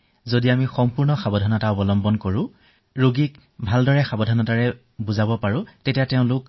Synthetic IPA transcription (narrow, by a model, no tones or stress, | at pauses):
zodiamixɔmpuɹnɔxabɔdʱɔnɔtaɔpɔlɔmbɔnkoɹʊ̃ | ɹoɡik | bʱaldɔɹɛxabɔdʱɔnɔtaɹɛ | buzabɔpaɹʊ̃tetijateʊ̃lʊk